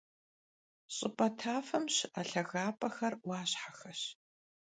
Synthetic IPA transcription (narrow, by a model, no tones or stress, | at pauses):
ɕʼɪpʼɐtʰaːfɐmɕaɬɐɣaːpʰʼɐxɐrwaːɕħaxɐɕ